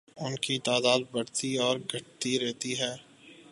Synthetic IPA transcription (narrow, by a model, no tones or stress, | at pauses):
ʊnkit̪aːd̪aːd̪̚bɐɽt̪iɔːɾɡʱɐʈ̚t̪iɾɛɦt̪iɦɛː